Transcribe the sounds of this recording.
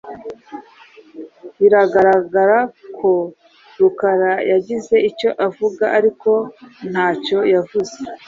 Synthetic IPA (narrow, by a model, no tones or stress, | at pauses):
βiɾaɡaɾaɡaɾakʰo̞ | ɾukaɾajaɟize̞ico̞ʔavuɡaʔaɾiko̞n̥haːco̞javuze